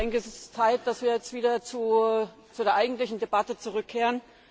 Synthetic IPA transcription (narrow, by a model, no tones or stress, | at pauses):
ɛŋkəɛsɛst͡saɪt̚d̥asv̥iːɐjɛt͡stv̥iːdɐt͡su | t͡sudeːɐʔaɪɡŋ̩tlɪçn̩debatət͡suʁʏkʰːeːʁən